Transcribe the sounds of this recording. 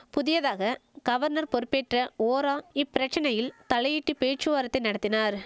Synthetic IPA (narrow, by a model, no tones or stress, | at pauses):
pʊðɪjɐðaːɣɐɡ̥ɐʋɐɾnɐɾpɔɾɯpːeːʈrɐoːɾaːɪpːɪɾɐt͡ʃːɐnɐjɪlt̪ɐlɐjɪʈːɯpeːt͡ʃɯʋaːɾɐt̪ːɐɪnɐɽɐt̪ːɪnaːɾ